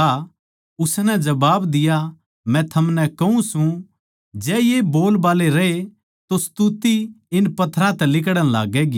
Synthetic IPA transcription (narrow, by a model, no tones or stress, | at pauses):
a | ʊsnɛd͡ʒɐbaːbd̪ɪja | mɛ̃t̪ʰɐmnɛkɐɦũsũ | d͡ʒɛːjeboːlbaːleɾɐɦe | t̪ost̪ut̪iɪnpɐt̪ʰɾãt̪ɛlɪk̬ɽəñlaːɡɛːɡi